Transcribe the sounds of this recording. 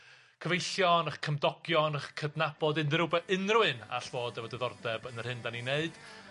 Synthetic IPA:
kʰəvejɬjɔnəχkʰəmdɔɡ̥jɔnəχkʰədnab̥ɔdɨnðrʊbɛɨnrwɨna̰ɬv̥oːdɛvɔdɛðɔrdɛbənər̥hɨndanineɨd̥

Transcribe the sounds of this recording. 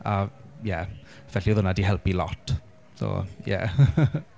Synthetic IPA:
ajɛ | v̥ɛɬiəðʊnadiɦɛlˠpilɔtʰ | so̰ːjɛ̰

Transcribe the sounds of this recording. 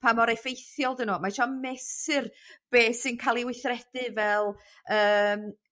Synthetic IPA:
pʰamɔɾejfejθjɔlˠdənuːmaʃɔmɛsɨrb̥eːsɪnkʰalˠiwɪθrɛd̥ɨvɛlˠ | əːm

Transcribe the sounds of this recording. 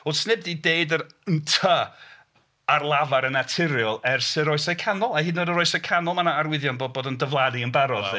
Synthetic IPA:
osnɪb̚dideɨdəɾəntʰə | arlˠavaɾənatʰɪɾjɔlˠɛrsɪɾɔɨsakʰanɔlˠahɨːdnodərɔɨsəkʰanɔlˠmanaːrwɪðjɔnboːd̚boːdəndəvlˠadiənbaɾɔð

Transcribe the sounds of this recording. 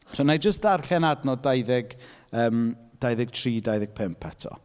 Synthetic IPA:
sonajd͡ʒəstarɬɛnadnɔdajðɪɡəːmd̥ajðɪɡ̥tʰriːdajðɪɡ̥̚pʰɪmpʰːɛtʰɔ̰

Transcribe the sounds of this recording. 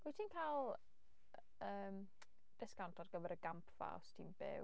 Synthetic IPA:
bitʰiːnkʰalˠ | əːm | d̥ɪskʰawntʰɔdɡəvɛɾəɡampʰv̥a̰wstʰḭːnbɪ̰

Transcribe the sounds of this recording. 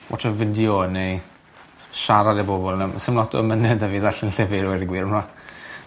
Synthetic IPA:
wʔɔ̰tʰəvɪdjɔnej | ʃaɾadibɔbɔlˠnamsəmlɔtʰɔ̰mənɛdəviðaɬənɬɛvɪɾwɛdiɡwiːɾəmra

